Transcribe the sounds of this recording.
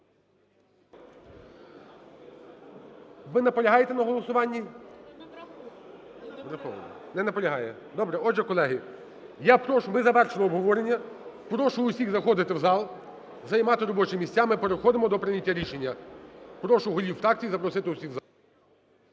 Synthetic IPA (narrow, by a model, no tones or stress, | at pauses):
ʋɪnɐpɔlʲɐɦɑjet̪ɛnɐɦɔlˠɔsʊʋɑnʲːi | ɾɐxɔʋɐ̰nɔnɛnɐpɔlʲɐɦɑjɛ | d̪ɔbɾɛɔʒɛkɔlˠɛɦɪ | japɾɔʃʊmɪzɐʋɛrʃɪlˠɔɔbɦɔʋɔɾenʲːɐ | pɾɔʃʊːsʲiɣzɐxɔd̪ɪt̪ɪwzɑlˠ | zɐjmɑt̪ɪɾɔbɔt͡ʃɪmʲisʲt͡sʲamɪpeɾexɔd̪ɪmɔd̪ɔpɾɪnʲɐtʲːaɾʲiʃenʲːɐpɾɔʃʊɦɔlʲiwfɾɑkt͡sʲijizɐpɾɔsɪt̪ɪʊsʲiɣzɑlˠ